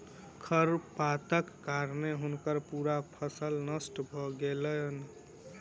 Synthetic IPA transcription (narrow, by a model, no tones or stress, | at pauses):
kʰəɾpat̪əkːaɾneɦunkəɾpuɾapʰəsəlnəsʈbʱɔɡeləjn